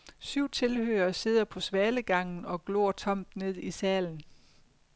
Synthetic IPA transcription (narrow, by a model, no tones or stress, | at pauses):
syʊ̰t͡sʰe̝lhø̰ːɐːse̝ð̞̰ˠɐpʰɒ̽sʋɛːləɡ̥ɑ̈ŋ̰n̩ɒ̽ɡ̥lo̰ːɐt͡sʰɒ̽m̰d̥ne̝ð̞̰ˠisɛːln̩